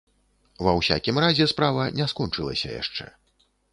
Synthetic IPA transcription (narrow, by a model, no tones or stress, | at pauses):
vɐwsʲa̰kʲimrazʲɛspɾavɐnʲɛskɔnt͡ʂɨlˠɐ̰sʲɐ̰ja̰ʂt͡ʂɛ̰